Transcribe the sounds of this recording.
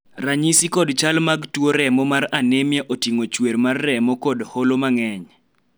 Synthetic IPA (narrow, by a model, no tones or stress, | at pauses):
raɲisikɔdt͡ʃalmaɡtwoɾɛmɔmaɾanemjaʔotiŋot͡ʃwermarːɛmɔkɔdholomaŋɛɲ